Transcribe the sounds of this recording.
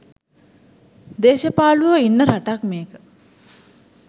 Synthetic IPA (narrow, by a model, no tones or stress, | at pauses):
d̪eːʃəpaːluʋəinːəɾaʈakmeːkə